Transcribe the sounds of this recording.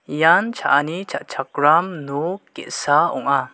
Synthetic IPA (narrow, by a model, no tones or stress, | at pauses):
jant͡ʃʰaʔanit͡ʃʰa̰ʔt͡ʃʰak̚ɾamnukeʔsaɔŋa